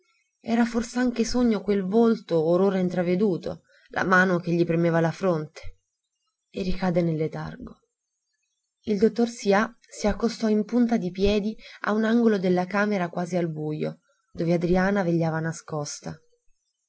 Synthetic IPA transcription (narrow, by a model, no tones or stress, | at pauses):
ɛ̰ːɾaforseaŋkesoɲːokwelvolt̪ooɾoːɾaint̪ɾaved̪uːt̪o̰ | lʔa̰maːnok̟eʎːipɾemeːvalafɾont̪e̥ | erːikaːd̪enelːet̪a̰rɡo | ild̪ot̪ːorsia | siakːost̪ɔimpunt̪ad̪ipjɛːd̪ia̰unaŋɡolod̪elːakaːmeɾakwaːzialbujo̰ | d̪oːvead̪ɾiaːnaveʎːaːvanaskɔst̪a